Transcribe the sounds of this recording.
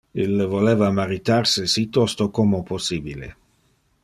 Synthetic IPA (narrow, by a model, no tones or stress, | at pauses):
ilvoleːvamaɾit̪arsisit̪ːɔst̪okomoposːiːbilḛ